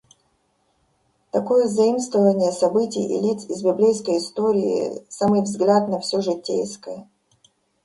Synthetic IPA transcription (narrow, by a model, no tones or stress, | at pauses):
t̪ɐkojəzɐimst̪vəvənʲɪjəsɐbɨtʲɪjḭlʲit̪sɪzbʲɪblʲejskəjɪst̪oɾʲɪɪ̰samɨjvzɡlʲat̪nɐfsʲoʐɨtʲːḛjskəjə